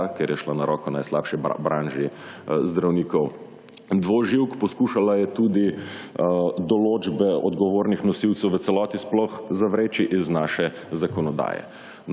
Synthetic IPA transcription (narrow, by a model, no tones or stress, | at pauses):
keɾjɛʃlanaɾɔːkɔna̰jslaːpʃɛ̰bɾaːnʒizd̪ɾawniːkɔw | d̪ʋoːʒiwkpɔskuʃalajɛt̪uːd̪i | d̪ɔloːd͡ʒbɛɔ̰d̪ɡɔʋoːɾnixnɔsiwt̪sɛwʋət̪sɛlɔːt̪isplɔxzaʋɾeːt͡ʃiʔiznaʃɛ | zakɔnɔd̪a̰ːjɛ̰